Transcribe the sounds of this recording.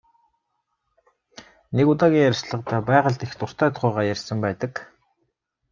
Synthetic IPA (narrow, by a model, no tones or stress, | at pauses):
nekʊt̪aːɣʲiːŋjæɾʲsɮə̆qt̪ʰæːpæːʁə̆ɮt̪ext̪ʊr̥t̪ʰœːt̪χʊːʁaːjærʲsə̆mpæːt̪ə̆k